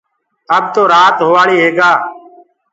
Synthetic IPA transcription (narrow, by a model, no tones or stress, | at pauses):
əbt̪oːɾaːt̪ɦoːʋaːɭiːɦeːɡaː